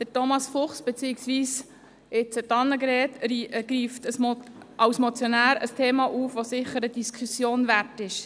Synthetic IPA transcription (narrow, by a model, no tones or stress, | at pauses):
d̪̥ətɔmɑsfʊχsb̥et͡siːɪksʋiːs | ɪt͡sətɑnːəɡɾɛːt̪ɾɡ̥ɾiːftəsmʔɑwsmot͡sjonæːɾə̰stʰeːmɑʔuːfʋosɪχəɾəd̥iskʰusjoːnvæɾtɪʃ